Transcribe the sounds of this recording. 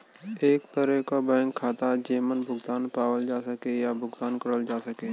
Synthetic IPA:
eːkt̪əɾəkabɛ̃ːŋkʰːaːt̪ad͡ʒeːmənbʱʊɡd̪aːnpaːwəld͡ʒaːsəkejabʱʊɡd̪aːnkɐɾəld͡ʒaːsəkeː

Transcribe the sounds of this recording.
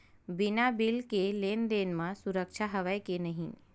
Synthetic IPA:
bɪnabɪlkeleːnd̪eːnmãsʊɾəkʃaɦɐʋəjkenɐɦĩ

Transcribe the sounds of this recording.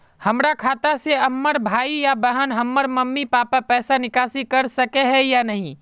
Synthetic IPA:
həmɾakʰaːt̪aseɐmːəɾbʱaːijabəɦənɦəmːəɾməmːipaːpapɛːsanɪkaːsikəɾsəkeɦɛjanəɦĩ

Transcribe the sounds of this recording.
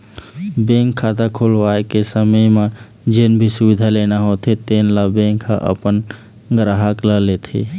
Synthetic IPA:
bẽːŋkʰːaːt̪akʰoːlʋaːekesəməjmã | d͡ʒenbʱisʊbɪd̪ʱaleːnaɦoːt̪ʰet̪eːnlabẽːŋkɦa̰ʔə̰pən | ɡɾaɦəklaleːt̪ʰḛː

